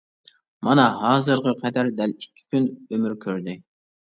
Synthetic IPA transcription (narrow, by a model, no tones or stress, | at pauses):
mɑnɑɦɑːzɨɾʁəqʰɛd̪æɾd̪ælikʲʰːi̥kʲynømyɾkʲʰøɾd̪ɪ